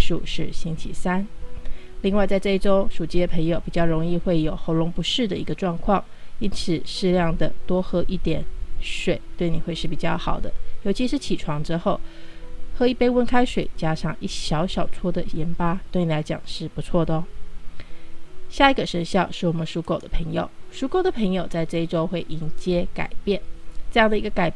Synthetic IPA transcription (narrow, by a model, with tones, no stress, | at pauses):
ʂu˥˧ʂɻ̩˥˩ɕi˥nt͡ɕʰi˧˥sa˥n | li˥˧ŋwa˥˧ɪt͡sa˥˧ɪʈ͡ʂɤ˥˧i˥˩ʈ͡ʂo˥ʊʂu˨˩t͡ɕi˥jə˨˩pʰə˧˥ŋjo˨˩ʊpi˨˩t͡ɕjɑ˥˩ʊɻo˧˥ŋi˥˧xwe˥˩ɪjo˨˩ʊxo˧˥ʊɻʊ˧˥ŋpu˧˥ʂɻ̩˥˩d̪ə˨i˧˥ɡə˧ʈ͡ʂwɑ˥˧ŋkʰwɑ˥˩ŋ | i˥nt͡sʰɹ̩˨˩ʂɻ̩˥˧ljɑ˥˩ŋd̪ə˩t̪wɔ˥xɤ˧˥ʔi˥˩t̪jɛ˨˩nʂwe˨˩˦ɪt̪we˥˩ɪni˨˩xwe˥˧ɪʂɻ̩˥˩pi˨˩t͡ɕjɑ˥˩ʊxɑ˨˩ʊd̪ə˦jo˧˥t͡ɕʰi˧˥ʂɻ̩˥˩t͡ɕʰi˨˩ʈ͡ʂʰwɑ˧˥ŋʈ͡ʂɻ̩˥xo˥˩ʊxɤ˧˥i˥˧˩pe˥ɪwə˥nkʰa˥ɪʂwe˨˩ɪt͡ɕja˥ʂɑ˥˧ŋi˥˩ɕjɑ˧˥ʊɕjɑ˨˩ʊt͡sʰwɔ˥d̪ə˨jɛ˧˥npa˥t̪we˥˩ɪni˨˩la˧˥ɪt͡ɕjɑ̰˨˩ŋʂɻ̩˥˩pu˧˥t͡sʰwɔ˥˩d̪ə˦ | ɕja˥˩i˧˥ɡə˨˩ʂə˧˥nɕjɑ˥˧ʊʂɻ̩˥˩wɔ˨˩mə˦nʂu˧˥ko˨ʊd̪ə˦pʰə˧˥ŋjo̰˨˩ʊʂu˧˥ko˥˩ʊd̪ə˩pʰə˧˥ŋjo˨ʊt͡sa˥˧ɪʈ͡ʂɤ˥˧i˥˩ʈ͡ʂo˥ʊxwe˥˩ɪʔi˧˥nt͡ɕjɛ˥ka̰˨˩ɪpjɛ˥˩nʈ͡ʂɤ˥˧jɑ˥˩ŋd̪ə˩i˧˥ɡə˧ka˨˩ɪ